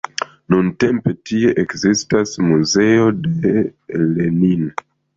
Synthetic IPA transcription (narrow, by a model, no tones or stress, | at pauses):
nunte̞mpe̞tie̞ʔekzistasmuze̞o̞de̞le̞nin